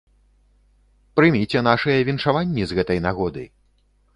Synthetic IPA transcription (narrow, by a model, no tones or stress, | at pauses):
pɾɨmʲit͡sʲɛn̪aʂɐjɛvʲinʂavanʲːizɣɛt̪ɐjnaɣɔd̪ɨ̰j